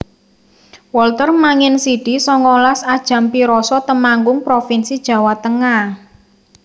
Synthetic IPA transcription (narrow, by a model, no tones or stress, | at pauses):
wɔlt̪ərmaŋɪnsiɖ̥isɔŋɔlasad̥ʒ̥a̤mpiɾɔsɔt̪əmaŋɡʊŋpɾofinsid̥ʒ̥a̤wat̪əŋah